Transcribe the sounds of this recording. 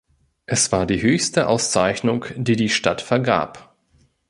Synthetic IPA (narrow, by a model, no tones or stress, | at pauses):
ʔɛsv̥aːɐdiːɦøːçstəʔaʊst͡saɪçnʊŋkd̥iːdiːʃtatfɛɐɡa̰ːp